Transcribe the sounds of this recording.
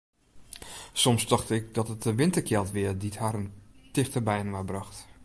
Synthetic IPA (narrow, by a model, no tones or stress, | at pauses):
sɔmsdɔxtəɪk̚dɔtət̚dəʋɪntəkʰjɛlˠtʋɪədithaːɾəntɪxtəbɛjənʋabrɑxt